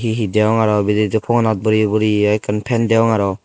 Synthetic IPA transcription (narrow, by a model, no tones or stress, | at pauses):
ɦiɦideɔŋaɾɔbided͡ʒɯpʰɔŋanat̪̚bɔɾibɔɾiajkʰɯnpʰendeɔŋaɾɔ